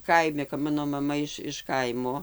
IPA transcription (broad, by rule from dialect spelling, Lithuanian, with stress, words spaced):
ˈkɐɪmʲɪ kɐp ˈmɑːnoː mɐˈmɐ ɪʃ ɪʃ ˈkɐɪmoː